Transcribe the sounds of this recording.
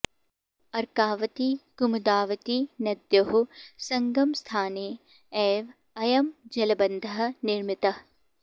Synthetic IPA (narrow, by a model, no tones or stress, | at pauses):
ɐɾkaːʋɐt̪iɡ̥umɐd̪aːʋɐt̪inɐd̪jɐɦusɐŋɡɐmst̪ʰaːneː | eːʋ | ɐjɐmd͡ʒɐlɐbɐnd̪ʱɐɦɐ̆niɾmit̪ɐ